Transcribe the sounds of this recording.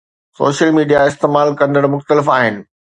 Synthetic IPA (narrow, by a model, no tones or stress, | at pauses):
so̰ːʃəlmiːɖijaɪst̪eːmaːlkɐ̃nd̪əɽmʊxt̪əlɪfaːɦɪnɪ̆